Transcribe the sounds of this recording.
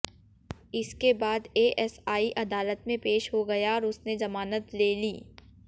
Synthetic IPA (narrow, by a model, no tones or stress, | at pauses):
ɪskebaːd̪eːʔɛsaːiʔɐd̪aːlət̪mẽpeːʃɦoɡɐjaɔːɾʊsnezɐmaːnət̪leːliː